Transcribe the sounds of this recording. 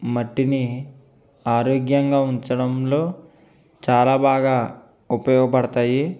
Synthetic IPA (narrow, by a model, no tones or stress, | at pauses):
mɐʈːini | aːɾoːɡjɐŋɡaːuɲt͡ʃɐɽɐmlo̞ː | t͡ʃaːlaːbaːɡaː | upɐjɔːɡɐpɐɽɐt̪aːji